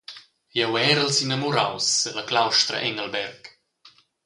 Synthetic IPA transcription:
jɛwɛːɾəlsinamuɾawsːələklawʃt̪ɾə̰ʔɛŋəlbɛrk

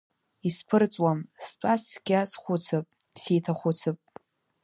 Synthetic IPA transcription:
ispʰɨrt͡sʼwamst͡sʷʼat͡sʰɡʲasχʷʊt͡sʰɨpʼ | sijtʰaχʷʊt͡sʰɨpʼ

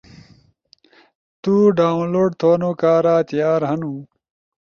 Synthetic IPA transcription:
t̪uːɖaːwnloːɖt̪ʰoːnoːkaːɾaːt̪ijaːɾɦɐnũ

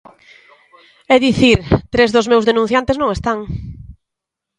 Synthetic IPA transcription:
ɛðiθiɾt̪ɾezðʊzmewzðenũn̟θjant̪eznõŋest̪aŋ

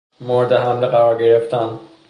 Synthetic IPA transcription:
moɾd̪eɦæmleqæɾɒɾɡeɾeft̪æn

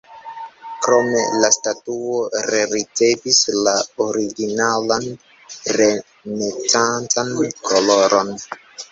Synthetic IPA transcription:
kɾo̞me̞̰lastatuoɾeɾit͡se̞vislaoɾiɡinalan | ɾe̞ | net͡sant͡sankoloɾʔon

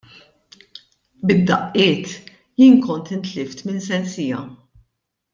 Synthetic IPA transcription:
bɪd̪ːɐʔɪːt̪ | jiːnkɔnt̪ɪnt̪lɪft̪mɪnsɛnsɪːjɐ

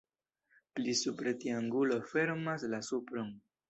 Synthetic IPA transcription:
plisupɾet̪iaŋɡulo̞fe̞ɾmaslasupɾon

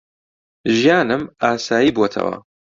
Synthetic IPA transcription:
ʒijaːnɨmaːsaːjiːbwot̪ʰɐ̰wɐ̰

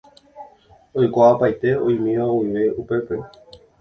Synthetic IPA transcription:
ojkʷaapajt̪e̞ojmĩʋaowiʋe̞upe̞pe̞

